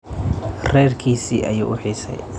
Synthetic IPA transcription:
rɛːrkʰiːsiːʔɐjṵːʔʊħiːsɛ̰j

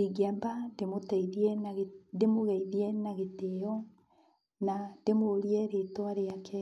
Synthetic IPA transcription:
iɡambademotɛiðiɛnɣndemoɣɛiðiɛnaɣeteɔ | nandemoːɾiɛɾetwaɾeakʰɛ

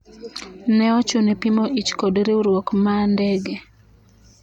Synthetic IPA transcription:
nɛɔt͡ʃunepimoʔit͡ʃkodɾeuɾwokmandɛɡe

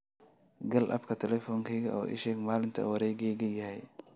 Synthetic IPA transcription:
ɡɐlʔɐ̰bkʰɐt̪ʰɛlɛfɔːŋkʰɛjɡɐʔɔːʔɪ̰ʃɛːɡmaːlɪnt̪ʰɐ̰wɐɾɛːɡɛjɡɐjɐhɛj

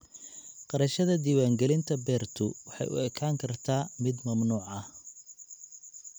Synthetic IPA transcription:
qɑɾɐʃɐðɐd̪iːwaːŋɡɛlɪnt̪ʰɐbɛːrt̪ʰʊwɑħɑ̰jʊ̰ɛkʰaːŋkʰɐrt̪ʰaːmɪd̪mɐmnuːʕɐh

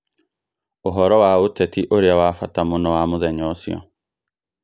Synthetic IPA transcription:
oɦɔɾɔwaotɛtiʔoɾeawafatamonɔwamoðɛɲɔsjɔ̰

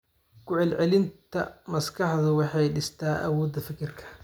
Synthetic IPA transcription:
kʰʊʕɛlʕɛlɪnt̪ʰɐ̰mɐskʰɑħðʊwɑħɑjɖɪst̪ʰaːʔɐ̰wɔːd̪ɐfɪkʰɪrkʰɐ̥

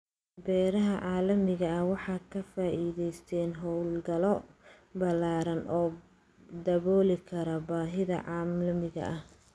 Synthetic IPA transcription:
bɛːɾɐɦɐʕɑːlɐmɪɣɐɐwɑħɑːkʰɐfaːʔiːðɛjst̪ʰɛːnɦɔwlɡɐlɔ | bɐlaːɾɐnʔɔː | d̪ɐβɔːlɪkʰɐɾɐbaːɦɪðɐ̰ʕɑːmɐmɪɣɐ̰ʔɐh

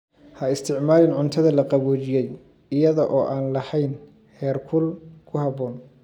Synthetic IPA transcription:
hɐɪst̪ʰɪʕmaːlɪnʕʊnt̪ʰɐðɐlɐqɑβɔːt͡ʃɪjɛj | ɪjɐðɐʔɔːʔaːnlɐhɛjn | hɛːrkʰʊlkʰʊhɑβɔːn

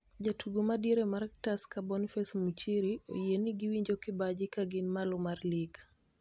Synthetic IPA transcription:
d͡ʒatuɡomadiɾemaɾɛk̚taskabɔnifɛsmut͡ʃiɾio̰jieniɡiwiɲd͡ʒokɪbad͡ʒɪkaɡɪnmalɔmarliɡ

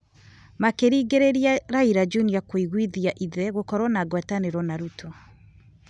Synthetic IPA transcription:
makeɾiɡeɾeɾiaɾaiɾad͡ʒuniakwoiɣwiðiaʔiðɛɣokɔɾwɔnaɡwɛtaneɾɔnaɾutʰɔ

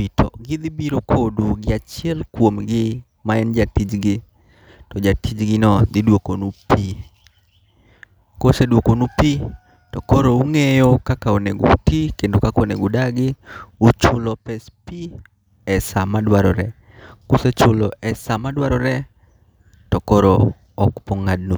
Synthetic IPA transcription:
itʰɔ̰ɡɪd̪ibiɾokʰoduɡɪat͡ʃiɛlkwomɡɪ | maɛnd͡ʒatid͡ʒɡɪ | tɔd͡ʒatid͡ʒɡɪnɔd̪ɪdwokonupi | kosedwokonupi | tɔkoɾouŋejokakaoneɡo̰tikendokakoneɡodaɡɪut͡ʃʊlɔpɛspi | ɛsamadwaɾɔɾɛ | koset͡ʃʊlɔɛsamadwaɾɔɾɛ | tɔkɔɾɔ | ɔkpɔŋad̚nu

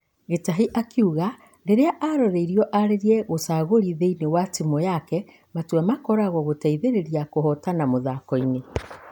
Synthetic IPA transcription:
ɣetaɦiʔakʰiuɣa | ɾeɾeaʔaɾɔɾeiɾiɔʔaɾeɾiɛɣosaːɣoɾiðeinewatimɔjakɛ | matwamakɔɾaɣɔɣotaiðeɾeɾiakoɦɔtanamoðakɔine

